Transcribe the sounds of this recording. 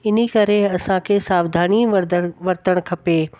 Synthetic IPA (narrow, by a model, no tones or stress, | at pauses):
ɪn̤ikɐɾeɐsãkʰeːsaːʋd̪ʱaːɽ̃iʋɐɾt̪əɽ̃kʰɐpeː